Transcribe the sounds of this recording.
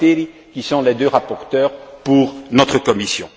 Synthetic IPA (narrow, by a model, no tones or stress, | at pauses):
eɾikʲisɔ̃led̪øʁapɔʁt̪œːʁpuʁnɔt̪χəkɔmisjɔ̃